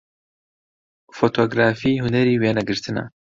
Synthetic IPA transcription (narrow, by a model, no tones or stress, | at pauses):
foːt̪ʰoːɡɾaːfiːɦunɛɾiːweːnɛɡɨɾt̪ʰɨnɛ̰